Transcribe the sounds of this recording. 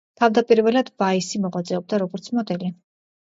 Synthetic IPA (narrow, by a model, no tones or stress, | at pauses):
t̪ʰavd̪apʼiɾvɛlad̪baisimɔʁat̪zʼɛɔb̚d̪aɾɔɡɔɾt̪sʰmɔd̪ɛli